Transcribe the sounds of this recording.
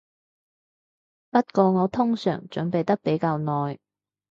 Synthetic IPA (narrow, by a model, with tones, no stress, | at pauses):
pɐ˥t̚kɔː˧ŋɔː˨˧t̪ʰʊ˥ŋsœ̰ː˨˩ŋt͡ʃɵ˨˥npe˨jt̪ɐ˥k̚pe˨˥jkaː˧wnɔː˨j